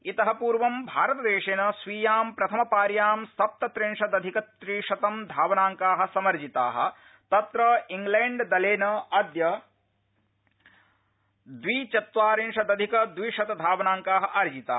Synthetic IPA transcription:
it̪ɐɦɐpuːɾʋɐmbʱaːɾɐt̪ɐd̪eːʂeːnɐsʋiːjaːmpɾɐt̪ʰɐmɐpaːɾjaːmst̪ɐp̚t̪ɐt̪ɾeɳʂɐd̪ɐd̪ʱikɐt̪ɾiːʂɐt̪ɐmd̪ʱaːʋɐnaːŋkaːɦɐ̆sɐmɐɾd͡ʒit̪aːɦɐ̰̆ | t̪ɐt̪ɾɐiŋɡleːɳɖd̪ɐleːnɐɐd̪jɐ | d̪ʋit͡ʃɐt̪ʋaːɾiɳʂɐd̪ɐd̪ʱikɐd̪ʋiːʂɐt̪ɐd̪ʱaːʋɐnaːŋkaːɦɐ̆ʔɐɾd͡ʒit̪a̰ː

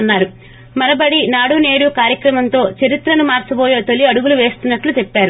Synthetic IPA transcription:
nːaːɾu | mɐnɐbɐɽinaːɽuːne̞ːɽukaːɾjɐkɾɐmɐnt̪o̞ːt͡ʃɐɾit̪ɾɐnumaːɾt͡ʃɐboːjoːt̪o̞liɐɽuɡuluʋe̞ːst̪unːɐʈlut̪epːaːɾu

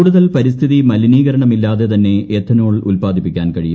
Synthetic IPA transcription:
uːɽuðɐlpɐɾist̪ʰiðimɐliniːɣɐɾɐɳɐmilːaːðe̞t̪ɐnːe̞eːt̪ʰːɐnoːɭulpaːd̪ʱipːikʲːaːnkɐɻiju

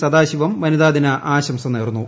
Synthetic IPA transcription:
sɐd̪aːɕiʋɐmʋɐnɐðaːd̪inɐʔaːɕɐmsɐmneːrnːu

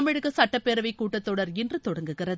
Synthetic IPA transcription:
mɪɻɯɣɐsɐʈːɐpːeːɾɐʋɐɪkːuːʈːɐt̪ːoːɽɐɾɪndrɯt̪ɔɽɐŋɡɯɣɪrɐð

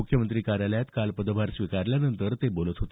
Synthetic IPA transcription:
ukʰjəmənt̪ɾiːkaɾjaljat̪kalpəd̪əʋaɾsʋikaɾljanənt̪əɾt̪ebolət̪ɦot̪e

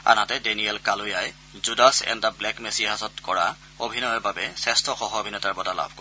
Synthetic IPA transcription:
a̰natɛdeniɛlkalujaj | zudasɛ̰ntablɛkmesiɦasɔtkɔɹa | obʱinɔjɔbabɛsɛstʰɔxɔɦɔobʱinɔtaɹbɔtala̰bʱkɔ

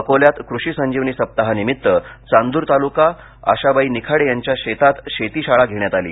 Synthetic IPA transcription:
əkoljat̪kɾuɕiːsəɲd͡ʑiʋniːsəp̚t̪aɦanimit̪ːət͡sand̪uːɾt̪aluka | a̰ɕabaiːnikʰaɽejaɲt͡ɕjaɕet̪at̪ɕet̪iːɕaɭaɡʱeɳjat̪alḭː

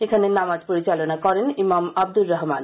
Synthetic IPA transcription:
ekʰanenamad͡ʑpoɾit͡ɕalonakɔɾenimamab̚d̪ulɾɔɦman

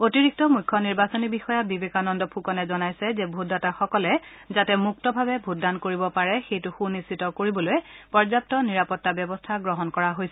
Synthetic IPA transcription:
otiɹik̚tɔmujkʰːɔniɹbasonibixɔjabibekanɔndɔpʰukɔnɛzɔnajsɛzɛbʱudataxɔkɔlɛ | zatɛmuk̚tɔbʱabɛbʱutdankoɹibɔpaɹɛxejtʊxunisitɔkoɹibɔlojɛpɔɹzap̚tɔniɹapɔtːabjɔbɔstʰaɡɹɔɦɔnkɔɹaɦojsɛ

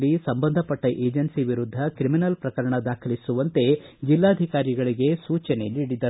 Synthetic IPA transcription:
lːisɐmbɐnd̪ʱɐpɐʈːɐʔeːd͡ʒɐnsiʋiɾud̪ʱːɐkɾiminɐlpɾɐkɐɾɐɳɐd̪aːkʰɐlisuʋɐnt̪e̞d͡ʒilːaːd̪ʱikaːɾiɡɐɭiɡe̞suːt͡ʃɐne̞niːɽid̪ɐ

